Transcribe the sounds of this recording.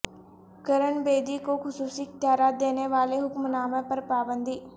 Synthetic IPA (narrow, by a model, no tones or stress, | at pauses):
kɐɾəɳbeːd̪ikoxʊsuːsiɪk̚t̪jaːɾaːt̪̚d̪eːneʋaːleɦʊkmnaːmẽpɐɾpaːbə̃nd̪ʱiː